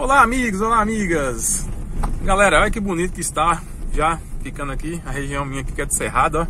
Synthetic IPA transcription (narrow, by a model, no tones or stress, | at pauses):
olaamiɡʊzolaamiɡɐs | ɡalɛɾɐɔʎɐkɪbonit̪ʊ̥kɪist̪a | ʒafikɐ̃nd̪akiɐheʒiɐ̃w̃mĩɲɐaki̥kɛd̪ɪseɦad̪ɐɔ